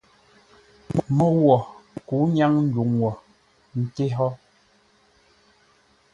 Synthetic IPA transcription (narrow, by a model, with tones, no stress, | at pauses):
mmɔ˦wɔ˨ku˨˦ɲa˦ŋn̩˦d͡ʒu˨ŋwɔ˨ | n̩˨te˦ɦɔ˦